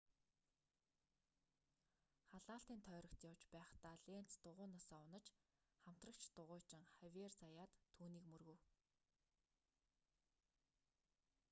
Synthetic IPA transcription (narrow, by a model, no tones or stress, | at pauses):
χaɮaːɬt̪iːnt̪ʰœːɾə̆kt̪jawt͡ɕpæːχt̪aːɮen̥t͡st̪ʊʁʊːnasaːʊnə̆t͡ɕ | χam̥t̪rə̆kt͡ɕʰt̪ʊʁʊːt͡ɕɪ̆ŋχæwʲert͡sajaːt̪ʰːuːniːkmɵrɣɵ̆w